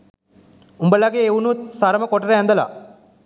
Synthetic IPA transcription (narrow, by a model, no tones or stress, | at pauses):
umbəlaɡeːunut̪̚saɾəməkoʈəɾəɦænd̪əla̰